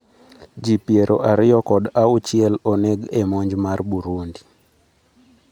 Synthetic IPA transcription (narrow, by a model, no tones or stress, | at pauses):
d͡ʒipjeɾʔoʔaɾɪjɔkɔdaʊt͡ʃɪɛloneɡemoɲd͡ʒmarbuɾundi